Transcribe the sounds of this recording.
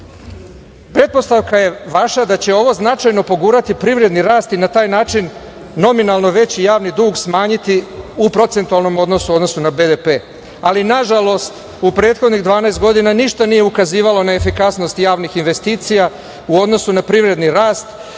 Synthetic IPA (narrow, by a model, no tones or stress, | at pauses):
pɾe̞t̪̚po̞st̪aʋkaje̞ʋaʃad̪at͡ɕe̞o̞ʋo̞znat͡ʃajno̞po̞ɡuːɾat̪ipɾiʋɾe̞d̪niɾaːst̪inat̪aːjnaːt͡ʃinː | o̞minalˠno̞ʋe̞t͡ɕijaːʋnid̪uːɡsmaːɲit̪iupɾo̞t̪se̞nt̪ualˠno̞mo̞d̪no̞suo̞d̪no̞sunabed̪epe̞ː | alinaʒalo̞st̪ | upɾe̞ːt̪xo̞d̪niɣd̪ʋaːnaest̪ɡo̞d̪inaniʃt̪anije̞ukaziːʋalo̞naefikasno̞st̪jaːʋnixinʋe̞st̪iːt̪sija | uo̞d̪no̞sunapɾiʋɾe̞d̪niɾaːst̪